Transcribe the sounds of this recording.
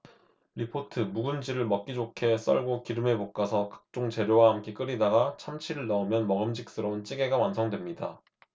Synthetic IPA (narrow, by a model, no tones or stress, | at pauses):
ɾipʰotʰɯmuɡund͡ʑiɾɯɭmʌk͈̚id͡ʑokʰe̞s͈ʌ̰ɭɡokiɾɯmemok̚k͈asʰʌkḁk̚t͡ɕ͈oŋt͡ɕe̞ɾjowaɦhamk͈ek͈ɯɾidaɡat͡ɕʰamt͡ɕʰiɾɯɭnʌumjʌnmʌɡɯmd͡ʑik̚s͈ɯɾʌɯnt͡ɕ͈iɡe̞ɡamwansʰʌŋdwe̞mɲida̰